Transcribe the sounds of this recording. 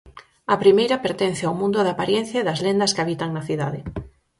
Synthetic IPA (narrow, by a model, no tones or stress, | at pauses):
ɐpɾimejɾɐpeɾt̪en̟θɪawmũnd̪ʊðapaɾjen̟θjaeðɐzlend̪ɐskaβit̪aŋnɐθiða̰ðɪ